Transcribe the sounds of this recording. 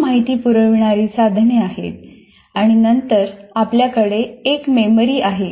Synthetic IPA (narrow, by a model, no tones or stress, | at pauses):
maɦit̪iːpuɾəʋɳaɾiːsad̪ʱɳeaɦḛt̪ | aɽ̃inənt̪əɾapljakəɽeːkmemɾiːʔaɦe